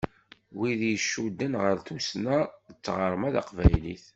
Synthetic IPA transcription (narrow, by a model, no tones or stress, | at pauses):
wiðjəʃːud̪ːənʁəɾθusnæðət͡sːʁəɾˤmæða̰qvæjliθ